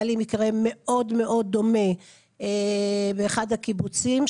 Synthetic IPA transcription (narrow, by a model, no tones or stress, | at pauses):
limikʁe̞me̞ʔo̞dme̞ʔo̞d̪̚ːo̞me̞ | ebeːχadhakibut͡sim